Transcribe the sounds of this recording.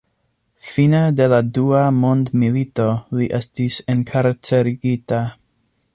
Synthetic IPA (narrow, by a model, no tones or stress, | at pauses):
finade̞laduamo̞ndmilito̞liʔe̞stise̞nkʰaɾt͡seɾiɡita